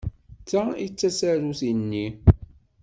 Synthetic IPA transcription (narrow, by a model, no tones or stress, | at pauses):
t͡sːait͡sːæsæɾuθinːi